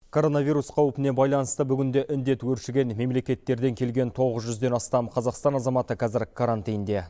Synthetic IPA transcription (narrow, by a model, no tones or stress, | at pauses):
kʰo̞ɾo̞navʲijɾusqʰɑwəpənebɑjlˠɑnəst̪əbʏɡʲɪnd̪e̞ʔɪnd̪e̞t̪wɵɾʃɪɡʲe̞nme̞mle̞kʲe̞t̪ːe̞ɾd̪e̞ŋkʲʰe̞lɡʲe̞nt̪ʰo̞ʁəzʒʏzd̪e̞nɑst̪ɑmqʰɑzɑqst̪ɑnɑzɑmɑt̪əqʰɑzɪɾkʰaɾant̪ijnd̪e̞